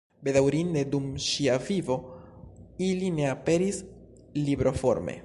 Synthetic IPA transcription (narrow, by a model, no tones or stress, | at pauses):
be̞dawɾind̪e̞dumʃiavivo̞ | iline̞ape̞ɾis | libɾo̞fo̞̰ɾmḛ